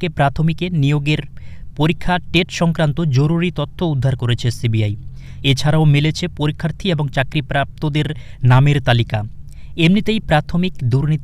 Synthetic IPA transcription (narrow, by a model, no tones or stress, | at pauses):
kepɾat̪ʰomikenijoɡeɾpoɾikʰːaʈeʈʃɔŋkɾant̪od͡ʑoɾuɾit̪ot̪ʰːoud̪ʱːaɾkoɾet͡ɕʰesibiaj | et͡ɕʰaɾaomilet͡ɕʰepoɾikʰːaɾt̪ʰieboŋt͡ɕakɾipɾap̚t̪od̪eɾnameɾt̪alikaemnit̪ejpɾat̪ʰomikd̪uɾnit̪